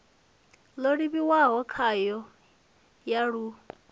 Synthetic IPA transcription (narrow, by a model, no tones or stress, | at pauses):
loɺiβiwaɦɔkʰajɔ | jaɺu